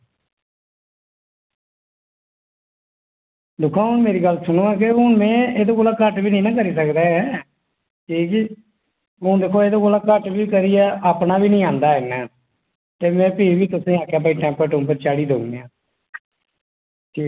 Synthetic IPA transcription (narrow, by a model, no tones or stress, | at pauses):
d̪ʊkʰːãːʊɳmeːɾiːɡəlsʊnõːɛːk̬ɪɦʊɳmɛ̃ːeːd̪oːkoːlaːkəʈʋiːnĩːnãːkəɾiːsəkd̪aːɛː | kiːki | ɦʊ̃ːd̪eːkʰoːeːd̪oːkoːlaːkəʈʋiːkəɾiːɛːʔaːpnaːʋiːnəĩːãːnd̪aːɪnːɛː | t̪eːmɛ̃ːpiːʋiːt̪ʊsĩːaːkjaːpaːiːʈɛ̃ːmpːəʈʊ̃ːpəɾt͡ʃaːɽiːd̪oːɡneːãː